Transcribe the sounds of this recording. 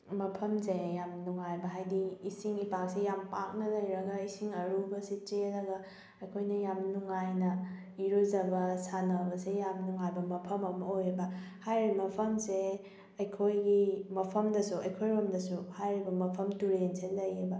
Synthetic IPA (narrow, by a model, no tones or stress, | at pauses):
mɐpʰɐmsejamnuŋajbɐɦajdiːsiŋipak̚sejampak̚nɐlɐjɾɐɡɐisiŋɐɾubɐsit͡ʃeɾɐɡɐ | ɐjkʰojnɐjamnuŋajnɐ | iɾuzɐbɐsanɐbɐsejamnuŋajbɐmɐpʰɐmɐmɐojebɐhajɾimɐpʰɐmse | ɐjkʰojɡimɐpʰɐmdɐsuɐjkʰojɾomdɐsuhajɾibɐmɐpʰɐmtuɾenselɐjebɐ